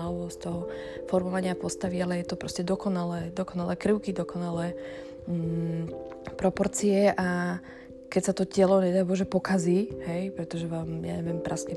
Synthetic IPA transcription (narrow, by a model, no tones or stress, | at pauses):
ɔʋɔst̪ɔɦɔ | fɔɾmɔʋaɲɪapɔst̪aʋialɛjɛt̪ɔpɾɔscɛd̪ɔkɔnalɛːd̪ɔkɔnalɛkɾəʊkid̪ɔkɔnalɛː | pɾɔpɔɾt͡siɛʔa | kɛcsat̪ɔcɛlɔɲɛd̪aːbɔʒɛpɔkaziɦɛjpɾɛt̪ɔʒɛʋaːmja̰ɲɛʋɪɛmpɾʔasɲɛ